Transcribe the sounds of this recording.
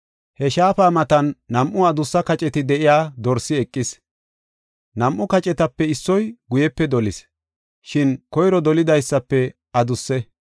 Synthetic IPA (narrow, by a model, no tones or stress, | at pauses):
hɛʃaːfaːmɐt̪ɐnːɐmʔʊɐd̪ʊsːɐkɐt͡ʃʼɛt̪ɪd̪ɛʔɪjaːd̪ɔɾsɪɛkʼːɪs | nɐmʔʊkɐt͡ʃʼɛt̪ɐpːɛɪsːɔjɡʊjɛpːɛd̪ɔlɪs | ʃɪnkɔjɾɔd̪ɔlɪd̪ɐjsːɐpːɛ | ɐd̪ʊsːɛ